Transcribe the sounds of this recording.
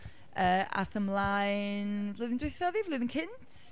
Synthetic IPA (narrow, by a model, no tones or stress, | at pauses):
əːa̰θəmlˠajnvlˠoːðɪndweθjɔðivloðɪnkʰɪntʰ